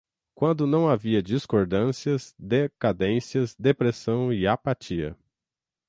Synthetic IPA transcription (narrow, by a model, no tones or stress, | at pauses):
kwɐ̃nd̪ʊnɐ̃w̃aviɐd͡ʒiskoɾd̪ɐ̃siɐzd̪ekad̪ẽsiɐzd̪epɾesɐ̃w̃ɪapat͡ʃiɐ̰